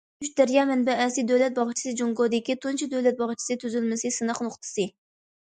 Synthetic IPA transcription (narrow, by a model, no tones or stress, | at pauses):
yt͡ʃd̪æɾjɑmɛnbɛɛsid̪øwlɛt̪̚bɑʁt͡ʃʰi̥sɨd͡ʒuŋɡod̪ɪkʲit̪ʰunt͡ʃʰid̪øwlɛt̪̚bɑʁt͡ʃʰi̥sɨt̪ʰyzylmɪsɨsɨnəχnʊχt̪ʰɨ̥sɨ